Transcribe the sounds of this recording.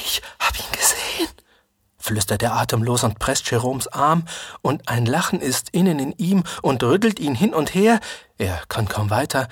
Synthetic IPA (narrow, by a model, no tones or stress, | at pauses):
ʔɪçhaːbəiːnɡ̥əzeːən | flʏstɐt̚d̥eːɐʔaːtəmloːzʊnt̚pʁ̥ɛstʃeʁoːmsʔaɐmʔʊntaɪnlaχn̩ɪstɪnənɪniːmʔʊntʁʏtl̩tiːnɦɪnʊntheːɐʔeːɐkʰankʰaʊmvaɪtʰɐ